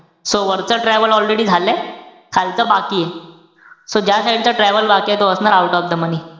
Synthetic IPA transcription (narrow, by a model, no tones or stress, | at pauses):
soʋəɾt͡səʈɾɛʋəlɔlɾeɽiːd͡zʱale | kʰalt͡səbakiːje | sod͡ʑjasaʈit͡saʈɾɛʋəlbakijet̪oəsnaɾawʈɔfd̪əməniː